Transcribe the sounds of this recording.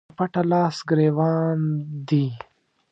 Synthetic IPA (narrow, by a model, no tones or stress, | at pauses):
pɐʈɐlɑːsɡɾeːwɑːnd̪i